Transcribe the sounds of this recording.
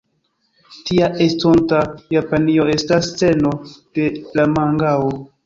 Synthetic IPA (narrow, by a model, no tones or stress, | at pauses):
tiaʔestontajapanio̞e̞stast͡se̞no̞d̥e̞lamaŋɡao